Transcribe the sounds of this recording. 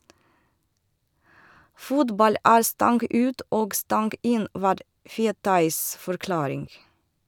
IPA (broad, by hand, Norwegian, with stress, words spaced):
ˈfʊtbɑl ˈæːɾ ˈstɑŋɡ ˈʉːt ˈoːɡ ˈstɑŋɡ ˈɪn ˈʋɑːɾ ˈfeːtɑɪs fɔɾˈklɑːɾɪŋ